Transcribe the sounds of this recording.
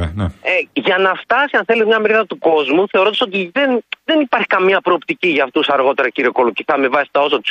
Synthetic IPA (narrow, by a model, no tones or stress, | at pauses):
eʝɐnɐft̪ɐsiɐnθe̞let̪mɲɐmeɾiðɐt̪uko̞zmuθe̞o̞ɾo̞d̪ɐsot̪iðenðe̞nipɐɾçi̥kɐmɐpɾo̞ːpt̪iciʝɐːft̪usɐɾɣo̞t̪e̞ɾɐciɾioko̞luciθɐmevɐsi̥st̪ɐo̞sɐt̪u̥s